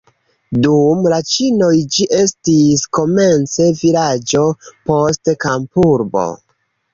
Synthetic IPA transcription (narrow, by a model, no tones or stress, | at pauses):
dumlat͡ʃino̞jd͡ʒiʔe̞stisko̞me̞nt͡se̞vilad͡ʒo̞po̞stkampuɾbo̞̰